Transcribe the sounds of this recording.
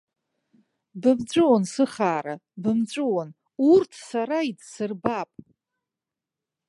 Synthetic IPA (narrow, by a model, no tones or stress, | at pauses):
bɨmd͡ʒʷʼɨwonsɨχaːɾabɨmt͡ɕʷʼɨwon | urtʰsaɾaidsɨrbapʼ